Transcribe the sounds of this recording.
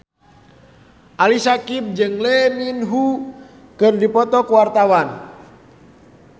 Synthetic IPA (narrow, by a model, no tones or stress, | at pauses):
ʔalisakip̚d͡ʒɨŋlɛminɦu | kɨrdipɔt̪ɔkuwart̪awan